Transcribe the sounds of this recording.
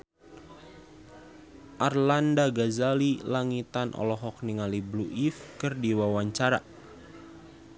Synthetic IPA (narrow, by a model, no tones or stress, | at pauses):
ʔarlandaɡazalilaŋit̪anʔɔ̰lɔɦɔk̚niŋalibluʔifkərdiwawaɲt͡ʃaɾa